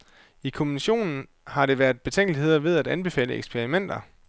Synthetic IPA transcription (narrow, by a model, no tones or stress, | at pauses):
ikʰo̝minɕo̝̰ːnn̩ | hɑ̈ɾe̝ʋæɐð̥ˠb̥e̝t͡sʰeŋ̰ɡ̥lihe̝ð̞̰ˠɐʋe̝ð̞ˠæd̥ænb̥e̝fɛ̰ːləḛɡ̥spʰeʁimen̰d̥ɐ